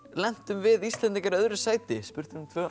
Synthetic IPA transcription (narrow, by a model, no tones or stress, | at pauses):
lɛn̥t̪ʏmvɪðist̪lɛnt̪iŋkaɾœðɾɪsaːjt̪ɪspʏɾ̥t̪ʏɾmt̪ʰvœː